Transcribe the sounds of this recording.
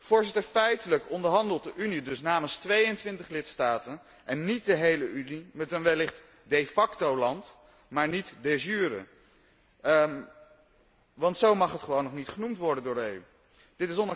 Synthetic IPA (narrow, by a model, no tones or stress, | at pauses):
v̥ʊːɹzɪtəɹfɛjtələkɔndəɹɦɑndəlˠt̚dəʔynidɵsnaːmənstʋejəntʋɪntəχlɪtstaːtən | ʔɛnːit̚dəɦejləʔynimɛtənʋɛlɪχt | defɑktowlɑnt | maːɹnitdezyːɾə̰ | ʋɑntsowmɑχɦətχəʋownːɔχnitχənumtʋɔɹdəndʊːɹey | d̥ɪtɪs̬ɔn